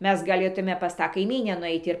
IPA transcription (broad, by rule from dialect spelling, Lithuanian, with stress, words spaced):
ˈmʲɛs ɡɐˈlʲeːtʊmʲɛ pɐs ˈtɑː kɐɪˈmʲiːnʲæː nʊˈɛɪt ɪr